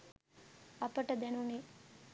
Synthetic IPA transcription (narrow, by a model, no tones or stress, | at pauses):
ɐpɐʈɐd̪ɛnuni